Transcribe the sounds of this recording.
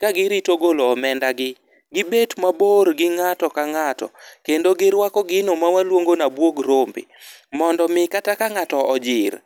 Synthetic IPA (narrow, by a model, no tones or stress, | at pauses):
kaɡɪɾitoɡoloːmɛndaɡɪ | ɡɪbetmaboɾɡɪŋatɔkaŋatɔ̰kendoɡɪɾwakɔɡɪnomawalwoŋɡonabwoɡɾombḭmɔndɔmɪkatakaŋatɔɔd͡ʒɪɾ